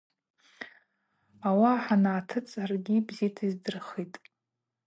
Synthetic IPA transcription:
awaħanaːtʰɨt͡sʼarɡʲibzitʰizdɨrχitʼ

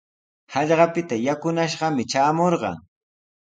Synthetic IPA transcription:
hɑʎɢɑpɪt̪ajakʊnaʃɢɑmɪt͡ʃaːmoɾɢɑ̰ŋ

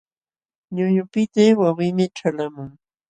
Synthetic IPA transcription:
ɲʊʎʊpɪt̪ewawɪmɪʈ͡ʂalamʊŋ

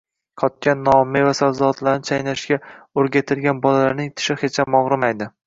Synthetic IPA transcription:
qʰɒt̪̚kʲanːɒmːɪvasalzɒt̪laɾnɪt͡ʃʰajnaʃɡʲaoɾɡʲat̪ʰɪlɡʲanbɒlalaɾnɪŋt̪ʰɪ̥ʃɪχet͡ʃʰamːɒʁɾɪmajd̪ɪ

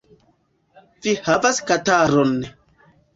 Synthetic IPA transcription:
vihavaskataɾon

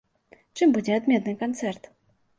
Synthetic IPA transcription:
t͡ʂɨmbud͡zʲɛad̪mʲɛt̪nɨkant̪sɛrt̪

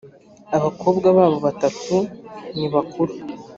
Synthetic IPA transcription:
aβakʰo̞ːbɡaβaːβo̞βatatuniβakuɾu

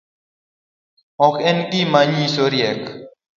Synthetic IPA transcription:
ɔkenkimaɲĩsoɾiek

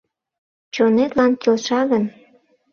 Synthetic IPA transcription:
t͡ɕonet̪lɑnkʲolʃɑɣən

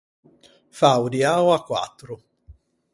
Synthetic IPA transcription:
fawd̪iaːwakːwa̰t̪ːɾʊ

